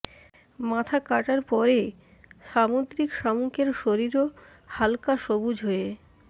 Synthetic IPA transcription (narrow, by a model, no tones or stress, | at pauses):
mat̪ʰakaʈaɾpɔɾe | ʃamod̪ɾikʃamuŋkeɾʃoɾiɾo | halkaʃobud͡ʑʱɦoe